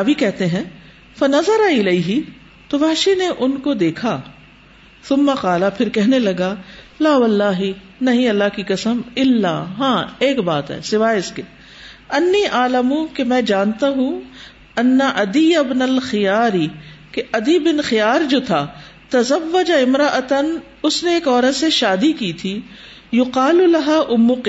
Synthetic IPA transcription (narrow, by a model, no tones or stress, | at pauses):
aʋikɛɦt̪eɦɛ̃ː | fɐnɐzɐɾaɪlɐiɦɪ | t̪oʋɐɦʃineʔʊnkod̪eːkʰa | θʊmːɐqaːlapʰɪɾkɛɦnelɐɡalaːʋɐlːaːɦi | nɐɦĩɐlːaɦkikɐsəmɪlːa̰ːɦãːeːkbaːt̪ɦɛ̰ːsɪʋaːjɪskeː | ɐnːiːʔaːlɐmũkemɛ̃ːd͡ʒaːnt̪aɦũ | ɐnːaʔɐd̪ijɐbnɐlxɪjaːɾikeʔɐd̪ibɪnxɪjaːɾd͡ʒoːt̪ʰaːt̪ɐzɐʋːɐd͡ʒaɪmɾɐʔɐt̪ɐn | ʊsneːkɔːɾət̪seʃaːd̪ikiːt̪ʰiː | jʊqaːlulɐɦaʔʊmːʊq